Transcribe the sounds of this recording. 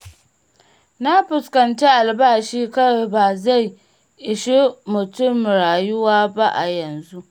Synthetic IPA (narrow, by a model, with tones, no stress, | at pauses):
na˦ɸɪ˨skɐ˨nt͡ʃe˦ʔa˨lbaː˦˨ʃiː˦kɐ˦wbaː˨za˦˨j | ʔɪ˨ʃi˦mʊ˨tʊ˦˨mɽaː˨jʊ˦waː˦ba˦ʔa̰˨jɐ˨nzu˦ʔ